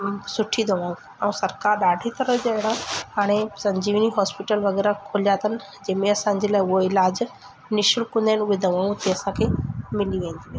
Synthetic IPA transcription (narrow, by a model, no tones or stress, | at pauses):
sʊʈʰid̪ʱəʋãːũ | ɛũsɐɾkaːɾɗaːɖʱit̪ɐɾəd͡ʑeɽaɦaːɽ̃esɐ̃ɲd͡ʑiːʋniɦɔːspɪʈəlʋɐɣɛːɾakʰoːljat̪ʰənɪ̆ | d͡ʑɐ̃ːmẽɐsãɲd͡ʑelaːɪʊɦoɪlaːd͡ʑ | nɪʃɪɽkʊ̃nd̪anʋɪd̪ʱəʋãːũt̪eɐsãkʰeːmɪliãĩnd̪